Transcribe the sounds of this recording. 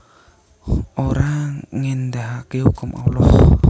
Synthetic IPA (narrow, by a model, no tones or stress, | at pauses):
oɾaŋɛnd̪aɦakehukumʔa̰ulɔh